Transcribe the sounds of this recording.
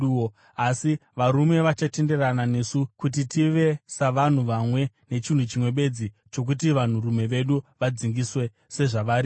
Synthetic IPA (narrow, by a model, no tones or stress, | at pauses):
o | asiʋaɾume̞ʋat͡ʃate̞nde̞ranane̞sukut̬itiʋe̞saʋan̤uʋamwe̞ | ne̞t͡ʃin̤ut͡ʃimwe̞ɓe̞d͡zi | t͡ʃo̞k̬ut̬iʋan̤urume̞ʋe̞ɗuʋad͡ziŋɡiswe̞ | se̞ʐaʋaɾi